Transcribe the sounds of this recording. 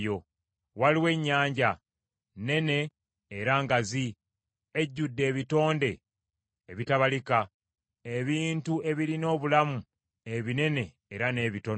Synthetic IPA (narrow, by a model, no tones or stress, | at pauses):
jo̞ | waliwe̞ɲːaːɲɟa | ne̞ne̞ː | ɾaŋɡazi | e̞ɟːudːe̞ːβito̞ːnde̞ː | βitaβalika | e̞βiːntue̞βilino̞ːβulamu | e̞βine̞ne̞ːɾane̞ːβito̞